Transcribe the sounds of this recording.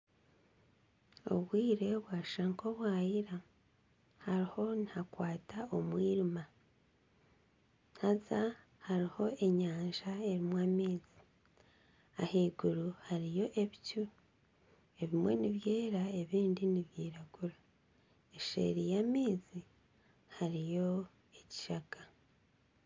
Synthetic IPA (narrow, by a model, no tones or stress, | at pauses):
o̰βwiːɾe̞βwaʃaŋko̞βwaːjiɾa | haɾiho̞nihakwaːtao̞mwiːɾima | nhaza | haɾiho̞e̞ɲaːnʒae̞ɾimwaːmiːzi̥ | aheːɡuɾuhaɾijo̞ʔe̞βicu | e̞βimwe̞niβje̞ːɾae̞βiːndiniβjiːɾaɡ̥uɾa | eʃḛɾijamiːzi | haɾijo̞ | e̞ci̥ʃaka